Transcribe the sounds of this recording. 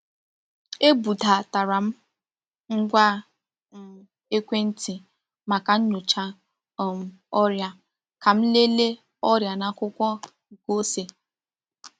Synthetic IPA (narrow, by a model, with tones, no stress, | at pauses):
e˦bu˨da˨ta˨ɾa˨m̩˦ | ŋ̩˦ɡʷa˦˨ | e˦kʷe˦n̩˦ti˨ | ma˨ka˨ɲ̩˦ɲʊ˨t͡ʃa˦˨ | m̩˨ | ɔ˦ɾja˦ | ka˨m̩˦le˦le˦ | ɔ˦ɾja˨na˨kʊ˦kʷɔ˦˨ | ko˦se˨